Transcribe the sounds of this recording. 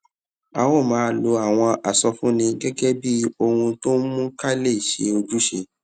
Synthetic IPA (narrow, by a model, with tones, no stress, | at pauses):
a˨wɔ˦˨mãː˨˦lo˧a˨w̃ɔ̃˧ʔa˨sɔ˧fũ˦nĩ˧ɡɛ˦ɡɛ˦bi˦o˧hũ˧to˦mũ˦ka˦le˦˨ʃḛ˧˦o˧d͡ʒu˦ʃe˧